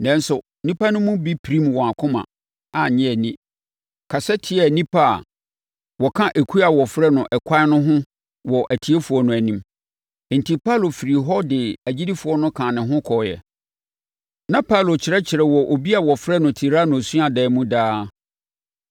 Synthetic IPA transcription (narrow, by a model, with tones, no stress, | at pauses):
nɛ̃˦n˦sʊ˨ | nĩ˦pʰa˦nʊ̃˦mʊ̃˦bi˦pʰɾĩ˦mwɔ̃˨a˨kʰʊ̃˦mã̰˨ | a˨ɲɛ̃˦æ˨nĩ˦ | kʰa˨sɛ˦tʰɪ˦ɛ˨nĩ˦pʰa̰˦˨ | wɔ˨kʰã˦ʔe˨kʰu˦a˨wɔ˨fɾɛ˦nʊ̃˨ʔɛ˨kʷʰa˦nʊ̃˦ɦʊ̃˦ | wɔ˨ʔæ˨tʰi˨e˦fu˨ɔ˨nʊ̃˨æ˨nĩ˦m˨ | n̩˨ti˨pʰa˦lo˨fi˨ɾi˨ɦɔ˦dɪ˨æ˨d͡ʑi˦di˦fu˨ɔ˦nʊ̃˦kʰã˨nɪ̃˨ɦʊ̃˦kʰɔ˨jɛ̰˨ | nã˦pʰa˦lo˨t͡ɕʰɪ˨ɾɛ˦t͡ɕʰɪ˨ɾɛ˨wɔ˨ʔo˨bi˦a˨wɔ˨fɾɛ˦nʊ̃˨tʰi˨ɾa˦nʊ̃˨su˦a˨dɛ˨˦˨mũ˦daː˦